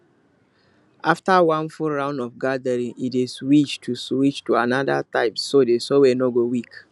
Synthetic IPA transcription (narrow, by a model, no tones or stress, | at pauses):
ʔaftawãnfuɹãʊ̃ndɔfɡadəɹĩŋiteswit͡ʃtʰuswit͡ʃtuanadataɪpsodesɔwɛnoɡowik